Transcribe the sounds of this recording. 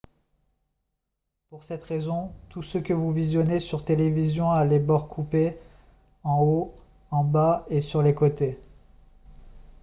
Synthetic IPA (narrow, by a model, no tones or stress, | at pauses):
puʁsɛt̪χezɔ̃t̪usəkʲəvuvizjɔnesyʁt̪elevizjɔ̃alɛbɔʁkʰupe | ɑ̃o | ɑ̃baesyʁlekot̪e